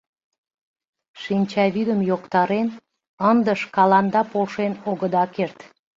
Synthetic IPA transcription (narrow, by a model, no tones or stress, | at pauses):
ʃinʲt͡ɕɑβyd̪əmjokt̪ɑɾen | ənd̪əʃkɑlɑnd̪ɑpolʃenoɣəd̪ɑkert̪